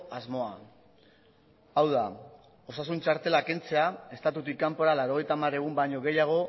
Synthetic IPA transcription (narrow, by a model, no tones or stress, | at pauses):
azmo̞a | awða | o̞sasunt͡ʃaɾt̪e̞lake̞nt͡se̞ae̞st̪at̪ut̪ikːampo̞ɾalawɾo̞ɣ̞e̞jt̪amaɾe̞ɣumbaɲo̞ɣe̞jaɣ̞o̞